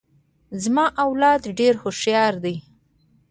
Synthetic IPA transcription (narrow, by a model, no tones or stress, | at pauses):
zmɑʔawlɑd̪ɖeɾxoʃjɑɾd̪ej